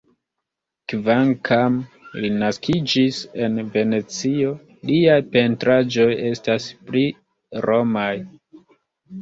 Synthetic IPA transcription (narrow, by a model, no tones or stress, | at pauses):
kvaŋkʰamlinaskid͡ʒise̞nve̞ne̞t͡sio̞ | liajpe̞ntɾad͡ʒo̞je̞staspli | ɾo̞maj